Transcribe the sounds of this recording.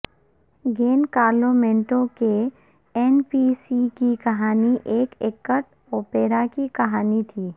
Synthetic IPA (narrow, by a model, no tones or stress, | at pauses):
ɡeːnkaːɾloːmẽːɳʈõke | ɛːnpisikikɐɦaːniʔeːkeːkːəʈ | oːpeːɾakikɐɦaːnit̪ʰiː